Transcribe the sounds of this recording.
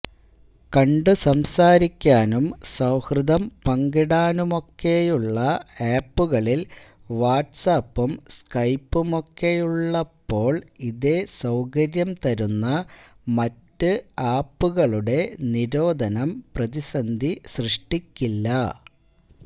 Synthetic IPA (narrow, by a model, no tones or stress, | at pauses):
kɐɳɖɨsɐmsaːɾikʲːaːnumsɐwhrɨðɐmpɐŋɡiɽaːnumo̞kːe̞juɭːɐaːpːuɣɐɭil | ʋaːʈsaːpːumskɐjpːumo̞kːe̞juɭːɐpːo̞ːɭiðe̞sɐwkɐɾjɐmt̪ɐɾunːɐ | mɐtːɨaːpːuɣɐɭuɽe̞niɾo̞ːd̪ʱɐnɐmprɐðisɐnd̪ʱisrɨʂʈikʲːilːɐ